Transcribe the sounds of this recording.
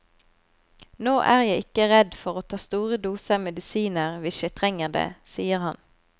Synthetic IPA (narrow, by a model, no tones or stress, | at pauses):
noːʔæːʁjæɪɪkəʁɛd̪fɔʁoːt̪ʰɑːst̪uːʁəd̪uːsəmɛd̪ɪsiːnəʁʋɪʃjæɪt̪ʰʁɛŋəʁd̪ḛːsiːəʁhɑn